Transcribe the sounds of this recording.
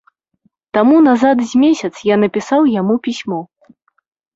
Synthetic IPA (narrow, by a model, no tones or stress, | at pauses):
t̪amunazat̪zʲmʲesʲɐt̪sjanɐpʲisawjamupʲisʲmɔ